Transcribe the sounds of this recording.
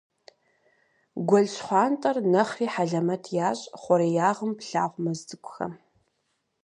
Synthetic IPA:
ɡʷɔɮɕχʷɑːntʼɐrnɐχriːħaɮɐmɐtʰjaːɕʼχʷɔɾijaːʁəmpɬa̰ːʁʷmɐzdɨkʷʊxɐ̰m

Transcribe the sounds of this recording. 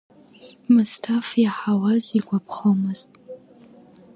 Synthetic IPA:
mɨstʰafjɛħawaziɡʷɔp̚ʰχɐmɨstʼ

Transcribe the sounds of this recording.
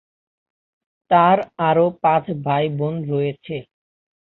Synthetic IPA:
t̪aɾaɾopãt͡ɕʰbʱajbonɾojet͡ɕʰe

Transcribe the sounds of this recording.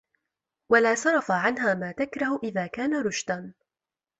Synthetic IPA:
walaːsɑɾˤɑfaʕanɦaːmaːt̪akɾˤɑhʊʔɪðaːkaːnaɾˤʊʃd̪an

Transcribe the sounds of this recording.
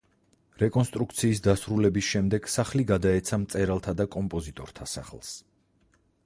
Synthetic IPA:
ɾɛkʼɔnst̪ʼɾukt̪sʰiːsd̪asɾulɛbisʃɛmd̪ɛɡ̥saχliɡad̪aɛt̪sʰamt̪sʼɛɾalˠt̪ʰad̪akʼɔmpʼɔzit̪ʼɔɾt̪ʰasa̰χlˠs

